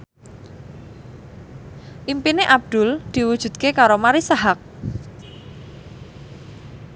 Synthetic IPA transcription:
ʔimpineʔab̚d̪̥ʊ̤ld̪̥i̤wud̥ʒ̥ṳd̪̚kekaɾomaɾisaɦak̚

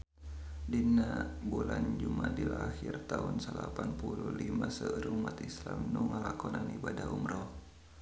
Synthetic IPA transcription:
dinabuland͡ʒumadilaxirt̪aunsəlapanpululimasəɾumat̪islamnuŋalakɔnanibadaumɾɔh

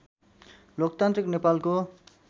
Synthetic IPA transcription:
lok̚t̪ant̪ɾiknepalko

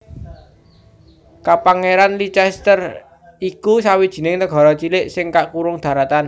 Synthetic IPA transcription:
kapaŋeɾanlit͡ʃɛst̪ər | ikusawid̥ʒ̥i̤nɪŋnəɡ̥ɔ̤ɾɔt͡ʃilɪʔsɪŋkaʔkuɾʊŋd̪̥a̤ɾat̪an

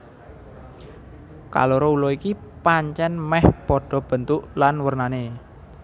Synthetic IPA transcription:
ka̰loɾoulɔikipaɲt͡ʃɛnmɛhpɔɖ̥ɔ̤b̥ə̤nt̪ʊʔlanwərnane

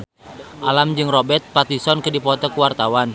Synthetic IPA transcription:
ʔalamd͡ʒɨŋrɔbɛt̪̚pat̪isɔnkɨdipɔt̪ɔkuwart̪awan

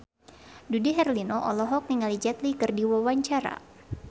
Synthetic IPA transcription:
dudiɦɛrlinoʔɔlɔɦɔk̚niŋalid͡ʒɛt̪likɨrdiwawaɲt͡ʃaɾa̰

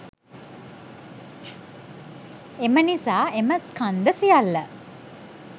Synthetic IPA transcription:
emənisaːʔeməskand̪əsijalːə

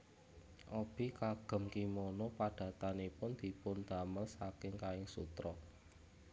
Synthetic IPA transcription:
ʔɔb̥i̤kaɡ̥ə̤mkimonɔpad̥ä̤t̪anipʊnd̪̥i̤pʊnd̪̥a̤məlsakɪŋkaɪŋsṵt̪ɾɔ

